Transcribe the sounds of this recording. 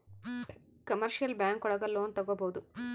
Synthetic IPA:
kɐmɐɾʃijɐlbjaːŋkɔɽɐɡɐloːnt̪ɐɡːoboːd̪u

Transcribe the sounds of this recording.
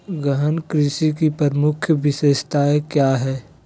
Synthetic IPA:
ɡəɦənkɾɪʃikipɐɾəmʊkʰjʋɪseːst̪aːekjaːɦɛː

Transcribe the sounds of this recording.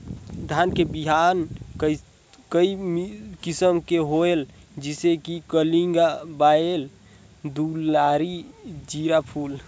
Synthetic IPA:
d̪ʱankebiɦankə | kəimkisəmkeɦoeld͡ʒisekikəliŋɡabael | d̪ulaɾid͡ʒiɾapʰul

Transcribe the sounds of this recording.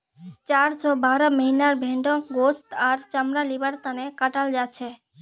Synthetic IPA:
t͡ʃaɾsɔbaɾɔməɦinaɾbʱeɳɖɔɡost̪aɾt͡ʃamɾalibaɾt̪anekaʈald͡ʒat͡ʃʰe

